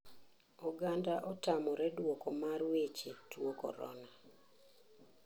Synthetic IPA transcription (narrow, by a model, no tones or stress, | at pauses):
ɔɡandaʔɔtamɔɾɛdwokomaɾwet͡ʃetwokɔ̰ɾɔ̰na